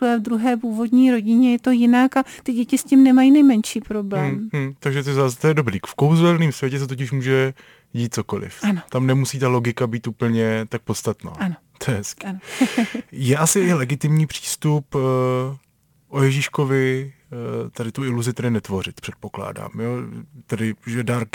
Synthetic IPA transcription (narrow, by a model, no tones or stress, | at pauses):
ɛvd̪ɾuɦɛːpuːvo̞dɲiːɾo̞ɟɪɲɛjɛt̪o̞jɪnakat̪ɪɟɛcɪscɪmnɛmajinɛjmɛnʃiːpɾo̞blɛmm̩t̪aɡʒɛt̪ɪzaːst̪ojɛdo̞bɾiːkfkowzɛlniːmsvjɛcɛs̬ɛt̪ocɪʃmuːʒɛ | ɟiːt̪̚t͡so̞ko̞lɪ̰fanot̪amnɛmusiːt̪alo̞ɡɪkabiːt̪uːpl̩ɲɛt̪ak̚pot̪st̪at̪na̰ːanot̪ojɛɦɛskɪn | jɛʔasɪʔɪlɛɡɪt̪ɪmɲiːpr̝̥i̥ːst̪up | ʔojɛʒiʃko̞vɪ | t̪adɪt̪uɪluzɪt̪ɛdɪnɛt̪vo̞rɪt̪pr̥ɛt̪̚po̞kla̰ːda̰ːmjot̪ɛdɪʒɛdaɾk